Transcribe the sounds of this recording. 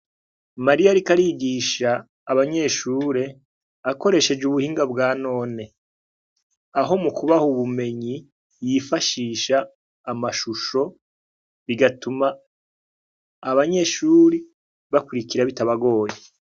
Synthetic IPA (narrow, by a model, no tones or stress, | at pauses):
maɾijaɾikaɾiɡiːʃaː | βaɲe̞ːʃuːɾe̞ | ako̞ɾe̞ʃe̞d͡ʒuβuhiːŋɡabɡaːno̞ːne̞ | aɦo̞mukuβahuβume̞ɲi | jifaʃiːʃaː | maʃuʃo̞ | βiɡatuma | βaɲe̞ːʃuːɾi | βakuɾikiɾaβitaβaɡo̞ːje